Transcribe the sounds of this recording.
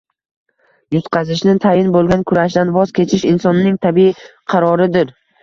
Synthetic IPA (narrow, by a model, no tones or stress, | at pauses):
jʊt̪qʰɑzɪʃnɪt̪ʰajɪnbolˠɡʲankʰʊɾaʃd̪anvɒzkʲʰe̞t͡ʃʰɪʃɪnsɒnːɪŋt̪ʰabiqʰɑɾɒɾɪd̪ɪɾ